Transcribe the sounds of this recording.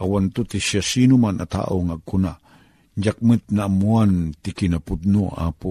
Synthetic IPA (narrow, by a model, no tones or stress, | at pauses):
ʔawant̪ut̪isjasinumanʔat̪a̰ʔoŋaɡunaʔ | nd͡ʒak̚mɨt̪̚namuant̪ikinapʊd̪̚noa̰pu